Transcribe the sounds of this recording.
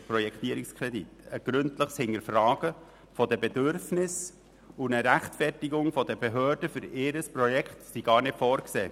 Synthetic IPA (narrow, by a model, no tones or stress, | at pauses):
pɾɔjɛkχt̪iəɾikskʰɾɛditəɡ̥ɾɵntləχshɪŋəɾfrɑːɡ̥ə | fɔdəbɛdʏɾfnɪs | unəɾæχtfɛrtiɡʊŋfɔdəbeɦøːɾd̥əfʏɾɪɾəsprɔjɛkχtsiɡ̥ɑːrnɪtfɔːɾkseː